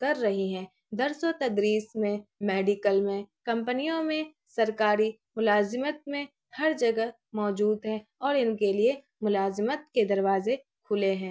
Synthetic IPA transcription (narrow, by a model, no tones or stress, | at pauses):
kɐɾːɐɦiɦɛ̃ː | d̪ɐɾsot̪ɐd̪ɾiːsmẽmeːɖɪkəlmẽkɐ̃mpənijõmẽ | sɐɾkaːɾi | mʊlaːzɪmət̪̚mẽ | hɐɾd͡ʒɐɡəɦ | mɔːd͡ʒuːd̪ɦɛ̃ɔːɾɪnkelie | mʊlaːzɪmət̪̚ked̪ɐɾʋaːze | kʰʊleɦɛ̃ː